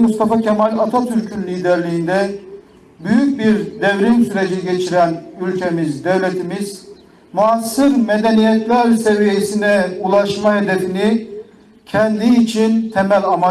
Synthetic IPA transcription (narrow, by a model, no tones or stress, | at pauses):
must̪afacʰɛmalʲat̪ʰat̪ʰyɾcʰynlʲiːd̪ɛɾlʲijind̪ɛ | byjyc̚biɾd̪evɾinsyɾed͡ʒiɟet͡ʃʰiɾænylʲcʰemizd̪evlet̪ʰimiz̥ | muasːɯɾmed̪ɛnijɛt̪lʲæɾsevijesinɛulˠaʃmaɦed̪efini | cʰɛnd̪iːt͡ʃʰint̪ʰɛmælʲama